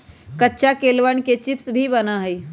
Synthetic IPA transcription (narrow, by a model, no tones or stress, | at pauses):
kətːʃakeːlʋəɳket͡ʃɪpsbʱibɐnaɦɛi